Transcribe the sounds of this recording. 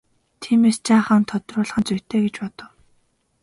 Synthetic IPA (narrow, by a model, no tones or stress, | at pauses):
t̪ʰiːmeːst͡ɕʰaːχəːnt̪ʰɔt̪rʊːɮχə̆nt͡sujʲt̪ʰeːɡet͡ɕpɔt̪ɞ̆w